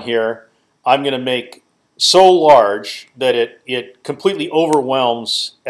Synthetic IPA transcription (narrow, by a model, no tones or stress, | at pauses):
nɦiɹ | ãɪ̃mɡʌñɨmeɪk | soʊlɑɹd̥d͡ʒðɨɾɪɾɪt̚kʰm̩pʰl̥itˡliʔoʊvə˞wɛlˠmz̥